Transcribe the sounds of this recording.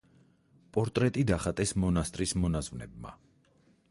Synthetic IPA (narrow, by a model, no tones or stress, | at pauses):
pʼɔɾt̪ʼɾɛt̪ʼid̪aχat̪ʼɛsmɔnast̪ʼɾismɔnazvnɛ̰b̚ma̰